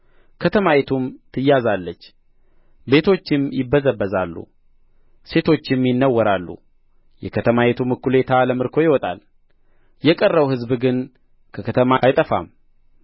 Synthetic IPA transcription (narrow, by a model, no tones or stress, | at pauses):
kʰət̪ʰəmajet̪ʰumt̪ʰɨjazalːət͡ʃː | be̞t̪ʰo̞t͡ʃːɪmjɪbːəzəbːəzalːṵ | se̞t̪ʰo̞t͡ʃːɪmjɪnːəwːəɾalːṵ | jɛkʰət̪ʰəmajet̪ʰumɨkːule̞t̪ʰaləmɨɾkʰo̞jɪwɔt̪ʼa̰l | jɛkʼərːəwhɨzbɡɨn | kʰəkʰət̪ʰəmajt̪ʼəfa̰m